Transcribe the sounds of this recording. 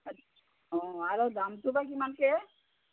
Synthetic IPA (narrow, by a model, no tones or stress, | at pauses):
ɔ̃aɾod̪amt̪ubakimanke